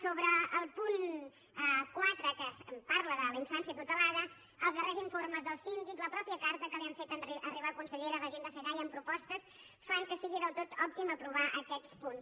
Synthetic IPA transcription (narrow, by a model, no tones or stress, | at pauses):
soβɾəːlˠpun | ɛkwat̪ɾəkəpaɾləðələiɱfansiət̪ut̪əlaðə | əlˠzðəreziɱforməzðəlˠsind̪ikləpɾɔpiəkaɾt̪əkəliəɱfet̪əiʔəriβakunsəʎeɾəðəʒend̪əfeðajəmpɾupɔst̪əs | faŋkəsiɣiðəlˠt̪ot̪ɔp̚t̪iməpɾuβ̞aʔəkɛspuns